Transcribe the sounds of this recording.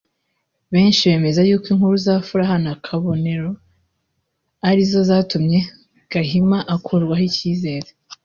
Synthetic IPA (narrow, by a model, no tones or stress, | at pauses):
βe̞ːnʃiβe̞ːme̞zajuːkwiŋhuɾuzaːfuɾaɦanakʰaβo̞ne̞ɾo | aɾizo̞zaːtumɲe̞ | ɡ̥aɦimaʔakʰuɾɡwahiciːze̞ːɾe